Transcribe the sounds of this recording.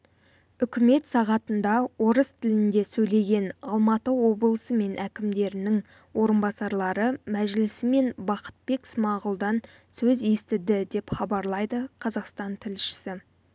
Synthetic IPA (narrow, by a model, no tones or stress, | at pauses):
ʏkʲɪme̞t̪sɑʁɑt̪ənd̪ɑwo̞ɾəst̪ʰɪlɪnd̪e̞sɵjle̞ɡʲe̞nɑlˠmɑt̪əwo̞bəlˠəsəme̞nʔækʲɪmd̪e̞ɾɪnɪŋ | wo̞ɾənbɑsɑɾlˠɑɾəmæʒlɪsɪme̞nbɑqə̥t̪̚be̞ksmɑʁʊlˠd̪ɑn | sɵze̞st̪ɪd̪ɪd̪e̞pχɑbɑɾlˠɑjd̪əqʰɑzɑqst̪ɑnt̪ʰɪlʃɪ̥sɪ